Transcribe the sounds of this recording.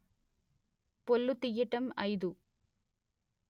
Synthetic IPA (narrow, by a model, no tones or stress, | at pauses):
pɔlːɯt̪ːɪjɪʈːɐmɐɪðu